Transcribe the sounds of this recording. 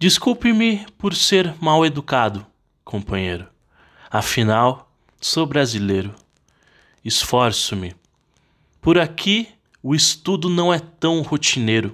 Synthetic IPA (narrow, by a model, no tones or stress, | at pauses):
d͡ʒiskuwpɪ̃mɪpoɾseɾmawed̪ukad̪ʊ | kʰõpɐ̃ɲejɾʊ | afinaw | sobɾazilejɾʊ | isfɔɾsʊmɪ | poɾakʰi | ʊist̪ud̪ʊnɐ̃w̃ɛt̪ɐ̃w̃hot͡ʃinejɾʊ